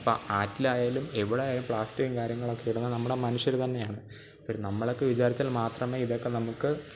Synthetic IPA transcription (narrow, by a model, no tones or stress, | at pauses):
pːo̰ːaːtːilaːjaːlumeʋiɽeːjaːlumpɭaːstikːɨkaːɾjɐŋːɐɭo̞kːeiɽunːɐnɐmːuɽe̞mɐnuɕjɐɾt̪ɐnːe̞jaːɳɨ | pːornɐmːɐɭo̞kːeʋit͡ɕaːɾit͡ɕːaːlmaːt̪rɐmeːiðo̞kːe̞nɐmukːɨ